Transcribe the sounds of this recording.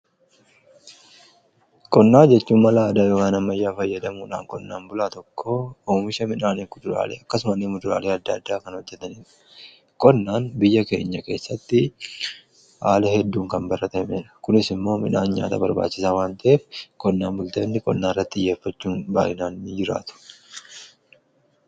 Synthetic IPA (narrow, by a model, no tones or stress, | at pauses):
kʼɔnːaːd͡ʒɛt͡ʃːuːmːɐlaːd̪aːjoːkaːnɐmːɐjːaːfɐjːɐd̪ɐmuːᶑa̰ːŋkʼɔnːaːnbʊlaːt̪ɔkʰːooːmɪʃɐmɪnaːnikʊd̪ʊɾa̰ːlḛːɐkːɐsʊmɐnːɪmʊd̪ʊɾa̰ːleːɐd̪ːɐɐd̪ːaːkɐnhɔd͡ʒːɛt̪ɐniːᶑɐ̥ | kʼɔnːaːnbɪjːɐke̞ːɲːɐke̞ːsːɐt̪ːɪ | haːlɐhɛd̪ːuːŋkɐmbɐɾʔɐt̪ɐmeːᶑɐ̥kʊnɪsɪmːo̞ːmɪnaːnɲa̰ːt̪ɐ̰bɐ̰ɾba̰ːt͡ʃːɪsaːwaːnt̪ɐʔeːfkʼɔnːaːnbʊlt̪ɐnːɪkʼɔnːaːɪrːɐt̪ːɪjːe̞ːfːɐt͡ʃːuːnbaːʔɪnaːnːɪd͡ʒɪɾa̰ːt̪ʊ̥